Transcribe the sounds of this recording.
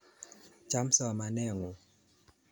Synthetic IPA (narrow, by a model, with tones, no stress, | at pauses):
t͡ʃa˦msa˨ma˨nɛ˦˨ŋɔ˨